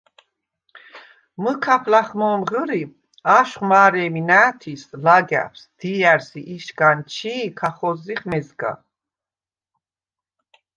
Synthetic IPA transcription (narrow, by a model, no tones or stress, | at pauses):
məkʰapʰlaχmɔmʁəɾi | aʃχmaːɾɛːminaːt̪ʰislaɡa̰pʰsd̪̥iaɾsiʔiʃɡant͡ʃʰiːkʰaχɔziχmɛzɡa̰